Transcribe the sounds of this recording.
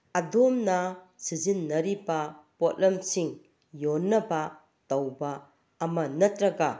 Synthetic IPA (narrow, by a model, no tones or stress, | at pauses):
ɐdomnɐ | sizinːɐɾibɐpotlɐmsiŋ | jonːɐbɐ | tɐwba | ɐmɐnɐtɾɐɡa